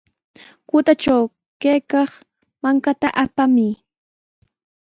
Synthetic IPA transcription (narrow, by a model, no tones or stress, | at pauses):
kʊt̪at͡ʃaw | kejkɑχ | maŋkat̪aʔapamɪ